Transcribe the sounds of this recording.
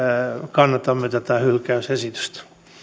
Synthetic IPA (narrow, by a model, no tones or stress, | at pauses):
kɑnːɑt̪ɑmːet̪æt̪æhylkæysesit̪y̥st̪